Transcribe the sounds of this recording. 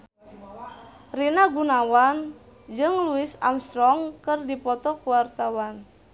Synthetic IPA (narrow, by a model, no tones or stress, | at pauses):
rinaɡunawan | d͡ʒɨŋluɪsamst̪ɾɔŋkɨrdipɔt̪ɔkuwart̪awan